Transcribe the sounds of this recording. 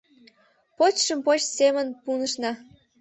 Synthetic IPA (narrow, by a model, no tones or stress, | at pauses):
pot͡ɕʃəmpot͡ɕsemənpunəʃnɑ